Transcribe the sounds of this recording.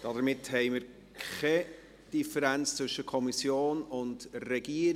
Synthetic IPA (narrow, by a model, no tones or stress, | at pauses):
d̥ɑdəɾmɪthɛɪmɪɾ | kχɛ | d̥ifəɾænt͡st͡svʏʃəkʰɔmisjoːnʊndrɛɡ̥iəɾ